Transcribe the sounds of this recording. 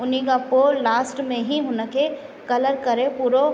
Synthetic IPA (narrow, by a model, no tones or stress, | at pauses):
ʊniɡapoːɾlaːsʈmẽɦiɦʊnəke | kɐləɾkɐɾẽpuːɾo